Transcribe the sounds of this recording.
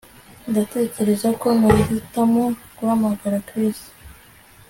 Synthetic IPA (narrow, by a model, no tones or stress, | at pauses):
ndate̞ːce̞ɾe̞zako̞nazitamokuhamaɡaɾakɾis